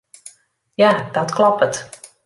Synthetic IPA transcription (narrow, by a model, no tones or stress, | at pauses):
jaːd̥ɔtklɔpət